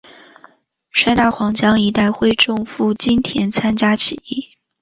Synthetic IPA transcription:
ʂa˥˧ɪt̪a˥˩xwɑ˧˥ŋt͡ɕjɑ˥ŋi˧˥t̪a˥˧ɪxwe˥˧ɪʈ͡ʂʊ˥˧ŋfu˥˩t͡ɕi˥nt̪ʰjɛ˧˥nt͡sʰa˥nt͡ɕja˥t͡ɕʰi˨˧˥i˥˩

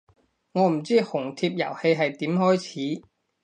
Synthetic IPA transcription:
ŋɔː˨˧m̩˨˩t͡siː˥hʊ˨˩ŋt̪ʰiː˧p̚jɐ̰˨˩whe˧jɦɐ˨jt̪iː˨˥mɦɔː˥jt͡sʰiː˨˥

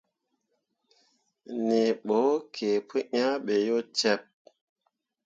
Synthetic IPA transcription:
ni˨ɓo˨˦kʰe˨pʰɨ˦ɲa˦ɓe˨jo˦t͡ʃɛ˦˨p̚

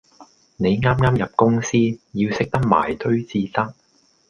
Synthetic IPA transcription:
ne˨˧jŋaː˥mŋaː˥mjɐ˨p̚kʊ˥ŋsiː˥jiː˧wsɪ˥k̚t̪ɐ˥k̚ma̰ː˨˩jt̪ʰɵ˥ɥt͡siː˧t̪ɐ˥k̚

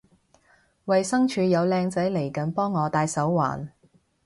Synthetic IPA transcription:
wɐ˨jsɐ˥ŋt͡ʃʰyː˨˧jɐ˨˧wlɛː˧ŋt͡sɐ˨˥jle˨˩jkɐ˨˥npɔː˥ŋːɔː˨˧t̪aː˧jsɐ˨˥wːa̰ː˨˩n

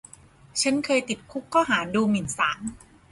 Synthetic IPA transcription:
t͡ɕʰa˦˥nkʰɤː˧jt̪i˨˩t̪̚kʰu˦˥kʰːɔː˥˩ɦaː˩˦duː˧mi˨˩˦nsaː˩˦n

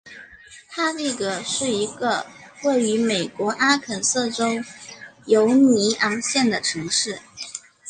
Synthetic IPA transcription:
t̪ʰa˥li˥˩ɡə˩ʂɻ̩˥˩i˧˥ɡə˧we˥˩ɪy˧˥me˨˩ɪkwɔ˧˥ʔa˥kʰə˨˩nsɤ˥˩ʈ͡ʂo˥ʊjo˧˥ʊni˧˥ɑ˧˥ŋɕjɛ˥˩nd̪ə˩ʈ͡ʂʰɤ˧˥ŋʂɻ̩˥˩

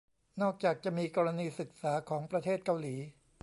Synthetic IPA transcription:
nɔː˥˩k̚t͡ɕaː˨˩k̚t͡ɕa˨˩miː˧kɔː˧ɾa˧niː˧sɯ˨˩k̚saː˩˦kʰɔː˩˦ŋpɾa˧t̪ʰeː˥˩t̪̚ka˧wliː˩˦

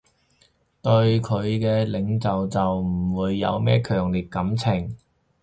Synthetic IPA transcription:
t̪ɵ˧ɥkʰɵ˨˧ɥkɛː˧lɪ˨˧ŋt͡sɐ˨wt͡sɐ˨wm̩˨˩wuː˨˧jːɐ̰˨˧wmɛː˥kʰœː˨˩ŋliː˨˩t̚kɐ˨˥mt͡sʰɪ˨˩ŋ

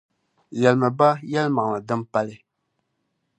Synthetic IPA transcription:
jɛ˨lma˨ba˦jɛ˦lma˨ŋ˨ma˨dɨ˦mpa˦lɪ˦

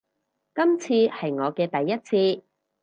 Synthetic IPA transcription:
kɐ˥mt͡sʰiː˧hɐ˨jŋɔː˨˧kɛː˧t̪ɐ˨jːɐ˥t̚t͡sʰiː˧

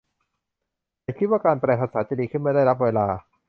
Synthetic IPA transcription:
a˨˧˩kʰi˦˥t̪̚waː˥˩kaː˧npɾɛː˧˩pʰaː˧saː˩˦t͡ɕa˨˩diː˧kʰɯ˥˩nma˥˩jda˥˩jɾa˦˥p̬̚weː˧laː˧

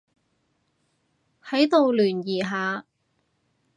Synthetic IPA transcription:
hɐ˨˥jt̪o˨wlyː˨˩njiː˨˩ɦaː˨˧

